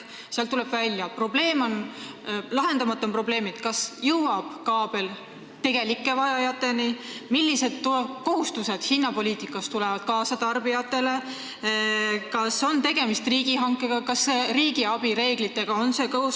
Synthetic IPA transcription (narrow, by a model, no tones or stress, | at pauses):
seɑlt̪ule̞b̥vælʲjɑpro̞ble̞ːmo̞n | lɑɦe̞nd̪̥ɑmɑt̪ːˑompro̞ble̞ːmid̪̥kɑsjɤwwɑb̥kɑːb̥e̞l | t̪e̞ɡ̥e̞likːˑe̞vɑjɑjɑt̪ˑːe̞nimilːise̞d̪̥̚tko̞hust̪used̪̥hinːɑpo̞lʲiːt̪ikːˑɑst̪ulɛvɑd̪̥̚kɑːsɑt̪ɑrbijɑt̪ːˑe̞le̞ | kɑso̞nt̪e̞ɡ̥e̞mist̪riːɡ̥iɦɑŋkːˑe̞ɡ̥ɑkɑsːeriːɡ̥iɑb̥iɾe̞ːɡ̥lit̪ːˑe̞ɡ̥ɑo̞nse̞kous